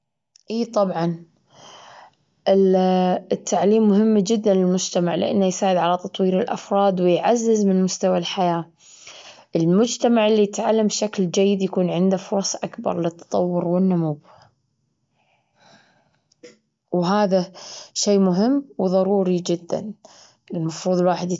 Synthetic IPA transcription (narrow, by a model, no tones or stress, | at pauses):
ʔiːt̪ˤɑbʕɑn | ʔɪ | ɪt̪ːaʕliːmːʊɦɪmːd͡ʒɪd̪ːanlɪlmʊd͡ʒt̪amaʕlɪ̰ʔa̰nːajsaːʕɪd̪ʕalat̪ɑt̪ˤwiːɾɪlʔa̰fɾˤɑːd̪wɪjʕazːɪzmɪnmʊst̪awalħajaː | ʔɪlmʊd͡ʒt̪amaʕɪlːijɪt̪ʕalːambʃakld͡ʒajːɪd̪jakuːnʕɪnd̪afʊɾˤɑsˤʔakbɑ̰ɾˤlɪt̪ʰːɑ̥t̪ˤɑ̰wːʊɾwɪnːʊmub | wɦaːðaʃeːmʊɦɪmːwðˤɑɾˤuːɾid͡ʒɪd̪ːa̰n | ʔɪlmɑfɾuːðˤlwaːħɪd̪